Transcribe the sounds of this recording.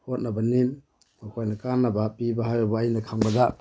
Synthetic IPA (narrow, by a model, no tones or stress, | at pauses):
hot̚nabanim | makʰojnakanːabapibaɦajɔbaːjnakʰaŋbada